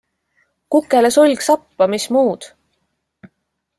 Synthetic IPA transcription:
kukːˑelesolʲɡsɑpːɑmismuːd̪̥

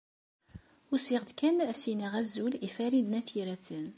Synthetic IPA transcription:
ʊɾsiʁd̪kænæsiniʁæzːulifæɾid̪næθiɾæθən

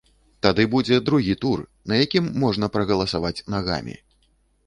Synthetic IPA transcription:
t̪ad̪ɨbud͡zʲɛd̪ɾuɣʲit̪urnɐjakʲimːɔʐnɐpɾɐɣɐlˠɐsavat͡sʲnaɣa̰mʲḭ

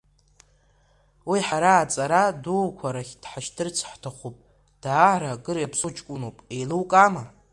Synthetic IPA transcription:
wiħaɾaːt͡sʼaɾadulkʷʰaɾaχʲd̥ħaʃdʰɨrt͡sʰħtʰaχʷupʼ | d̥aːʕɾaɡɨɾjapʰsʼut͡ʃʰʼkʷʼʊnopʼe̞jlɨwkʼama

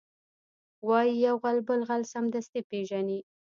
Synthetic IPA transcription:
wɑjijawɣalbəlɣalsamd̪ast̪ipeʒani

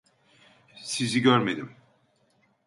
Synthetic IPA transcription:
siziɟøɾme̞d̪im

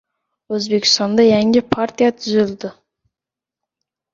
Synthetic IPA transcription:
ɵzbekʲʰɪ̥st̪ɑnd̪ɑjæŋʲɪpʰaɾt̪ijat̪ʰʏzʏld̪ɪ

